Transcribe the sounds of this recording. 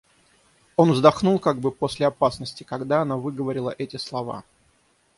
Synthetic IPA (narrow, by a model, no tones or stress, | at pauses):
o̞nvzd̪ɐxnulˠkaɡ̚bɨposʲlʲɪɐpasnəsʲtʲɪ̥kɐɡd̪aɐnavɨɡəvɐɾʲɪlˠəʔɛtʲɪslˠɐva̰